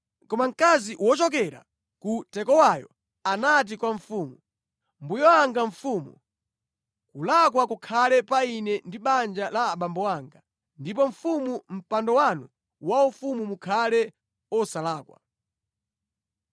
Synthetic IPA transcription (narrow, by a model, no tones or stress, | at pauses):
kɔmaŋ̩kaziwɔt͡ʃɔk̬ɛɾa̰ | kutɛkɔwajɔ̰ | anat̬ikwaɱ̩fumu | mbujɔaŋɡaɱfumṵ | kulakwakukʰalɛpainɛndiɓand͡ʒalaːɓambɔwaŋɡa | ndip̬ɔɱ̩fumum̩pandɔwanu | waufumumukʰalɛ | ɔsalaːkwa̰